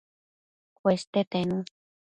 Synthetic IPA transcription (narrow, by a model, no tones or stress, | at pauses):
kwest̪et̪enũ